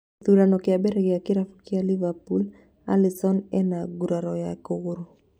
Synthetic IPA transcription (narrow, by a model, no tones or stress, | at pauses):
t̪uɾanɔkiabɛɾɛɡɛakiɾafu̥kialivapul | a̰lisɔnɛnaɡuɾaɾɔjakoɣuɾu